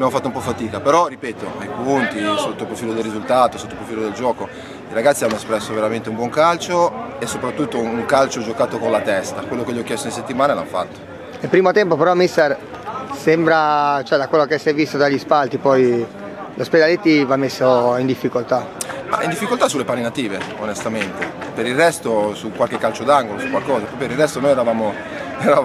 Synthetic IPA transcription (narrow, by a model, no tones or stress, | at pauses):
bjamofat̪ːoumpɔfat̪iːkapeɾɔripɛːt̪oajpunt̪isot̪ːopɾofiːlod̪elːizult̪aːt̪osot̪ːopɾofiːlod̪eld͡ʒɔːko | iɾaɡat̪sianːoespɾɛsːoveɾament̪eũmbwɔŋkalt͡ʃoesːopɾat̪ːut̪ːouŋkalt͡ʃod͡ʒokaːt̪okonlat̪ɛst̪akwelːokeʎːiɔk̟ːjɛst̪oneset̪ːimaːnela̰nfa̰t̪ːo̥ | nelpɾiːmot̪ɛmpopeɾɔmːist̪er | sɛmbɾat͡ʃoɛd̪akwelːokesːɛvist̪ot̪ɾaʎispalt̪ipɔj | lʔosped̪alet̪ːivamːesːoind̪ifːikolt̪ama̰ʔind̪ifːikolt̪asulːepanenat̪iːveonest̪ament̪epeɾirːɛst̪osukwalkekːalt͡ʃod̪aŋɡolosukwalkɔːzapɾɔpjopeɾilrɛst̪onojɛɾavaːmo | ɛɾa